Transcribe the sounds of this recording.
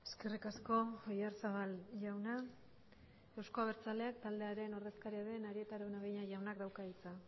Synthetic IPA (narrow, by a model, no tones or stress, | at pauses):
e̞ske̞rikasko̞ojaɾsaβalʝawna | e̞wsko̞aβe̞ɾt͡sale̞ak̚t̪ald̪e̞aɾe̞no̞rðe̞skaɾiaðe̞naɾie̞t̪aɾaenaβejɲajʝawnakd̪awkait͡sa